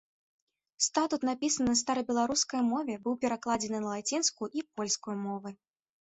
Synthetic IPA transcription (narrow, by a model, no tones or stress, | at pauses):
st̪at̪ut̪napʲisɐnɨnst̪aɾɐbʲɛlˠaɾuskɐjmɔvʲɛbɨwpʲɛɾaklˠad͡zʲɛnɨnɐlˠat͡sʲinskuʔipɔlʲskujumɔvɨ